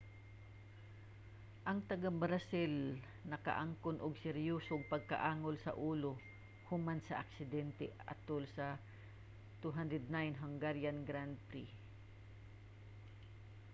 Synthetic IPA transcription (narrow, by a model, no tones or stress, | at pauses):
ʔɐŋt̪ɐɡabɾasɪl | nɐkɐ̰ʔaŋkʊnʔʊɡsɛɾjoːsoɡ̚pɐɡ̚kɐʔaːŋolsɐ̰ʔuːlo | hʊmansɐʔɐ̰ksɪd̪ɛnt̪ɛ̰ɐ̰t̪olsɐ | t̪uɦand̪ɹɛd̪̚najnɦɐŋɡaɾjanɡɾand̪̚pɾi